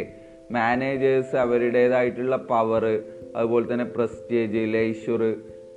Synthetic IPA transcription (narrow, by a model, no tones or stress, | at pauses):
maːneːd͡ʑɐsɐʋɐɾiɽeðaːjiʈːuɭːɐpɐʋɐrɨɐ̰ðuboːlet̪ːɐnːe̞prɐste̞ːd͡ʑileiɕurɨ